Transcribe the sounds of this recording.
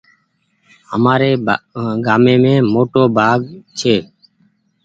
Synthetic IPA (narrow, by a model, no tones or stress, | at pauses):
ɦəmaːɾeːɡaːmẽːmẽːmoːʈoːbʱaːɡt͡ʃʰeː